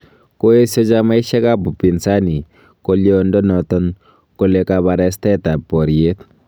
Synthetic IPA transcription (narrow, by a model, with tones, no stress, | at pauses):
ko˦e˦sɔ˦d͡ʒa˦ma˦i˦ʃɛ˦ka˦bu˨pi˨nsa˦ni˨ | ko˦ljɔndɔ˦nɔ˨t̪ɔ˦n | ko˨le˨kaβa˨ɾɛst̪ɛ˦t̪a˨pɔ˨ɾie˦t̪